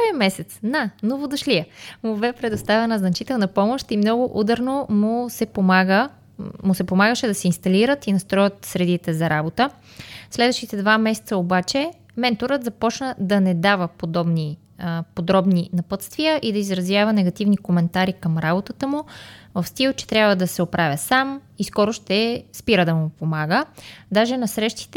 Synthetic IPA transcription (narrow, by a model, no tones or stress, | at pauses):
viəmɛsɛt̪snanovod̪ɐʃliəmʊbɛpɾɛd̪ʊst̪avɛnəznɐt͡ʃit̪ɛlˠnɐpɔmoʃt̪imnɔɡʊʔud̪əɾnomʊsɛpomaɡə | mʊsɛpomaɡəʃɛd̪ɐsɛinst̪ɐliɾət̪inɐst̪ɾɔjət̪sɾɛd̪it̪ɛzɐɾabot̪ə | slɛd̪vəʃt̪it̪ɛd̪vamɛsɛ̥t̪səobat͡ʃɛ | mɛnt̪oɾət̪zɐpɔt͡ʃnəd̪ɐnɛd̪avəpod̪ɔbni | pod̪ɾɔbninɐpɤt̪st̪vijəʔid̪ɐizɾɐzjavənɛɡɐt̪ivnikomɛnt̪aɾikəmɾabot̪ət̪əmuvəfst̪ilˠt͡ʃɛ̥t̪ɾʲjabvəd̪ɐsɛopɾavʲjəsamiskɔɾoʃt̪ɛspiɾəd̪ɐmupomaɡəd̪aʒɛnɐsɾɛʃt̪i̥t̪ɛ